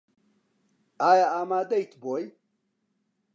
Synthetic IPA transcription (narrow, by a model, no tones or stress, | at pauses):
aːjaaːmaːd̪ɐjt̪ʰboːj